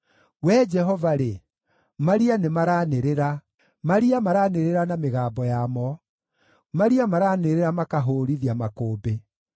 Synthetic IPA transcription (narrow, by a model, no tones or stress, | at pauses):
wɛd͡ʒɛɦɔvaɾe | maɾianemaɾaneɾeɾa | maɾiamaɾaːneɾeɾanameɣaːbɔjamɔ | maɾiamaɾaːneɾeɾamakaɦoːɾiðiamakoːbe